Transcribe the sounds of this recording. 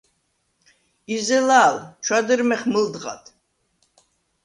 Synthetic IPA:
izɛlaːlt͡ʃʰwad̪əɾmɛχməld̪ʁa̰t̪ʰ

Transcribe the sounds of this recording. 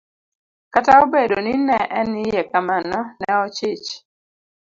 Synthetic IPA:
kataobedonɪnɛʔɛnɪjɛkamanɔnɛɔt͡ʃɪt͡ʃ

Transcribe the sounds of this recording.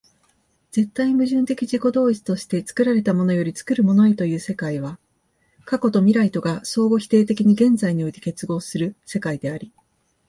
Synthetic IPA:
d͡z̥e̞t̪ːaimɯ̟ʑɨ̃nt̪e̞kʲiʑiko̞d̪o̞ːit͡sɨ̥t̪o̞ɕi̥t̪e̞t͡sɨ̥kɯ̟ɾaɾe̞t̪amo̞no̞jo̞ɾʲit͡sɨ̥kɯ̟ɾɯ̟mo̞no̞et̪o̞jɯ̟ːse̞kaiβ̞a | kako̞t̪o̞mʲiɾait̪o̞ɡaso̞ːɡo̞çi̥t̪e̞ːt̪e̞kʲiɲ̟iɡẽ̞nzaiɲ̟iot̪ʲike̞t͡sɨɡo̞ːsɨɾɯ̟se̞kaid̪e̞aɾʲi

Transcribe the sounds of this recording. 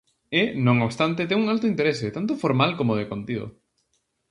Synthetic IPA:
enõŋoβst̪ant̪ɪt̪̬ɛŋuŋalt̪ʊint̪eɾeset̪ant̪ofoɾmalkomoðekont̪iðo̰

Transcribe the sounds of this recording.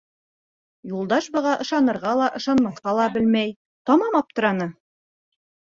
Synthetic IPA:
julˠd̪ɑʃbɤ̆ʁɑʔɤ̆ʃɑnɤ̆ɾʁɑlˠɑʔɤ̆ʃɑnmɑθqɑlˠɑbɘlmæj | t̪ɒmɑmɑp̚t̪ɤ̆ɾɑnɤ

